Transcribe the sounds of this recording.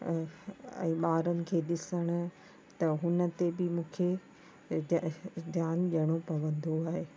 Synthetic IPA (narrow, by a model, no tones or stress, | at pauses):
ɛ̰̃ːɓaːɾənɪ̆kʰeːɗɪsəɽ̃ʊ̆ | t̪ɐɦʊnə̆t̪ebɪmũːkʰe | djaːnʄɐɽ̃opɐʋə̃nd̪oaːɦeː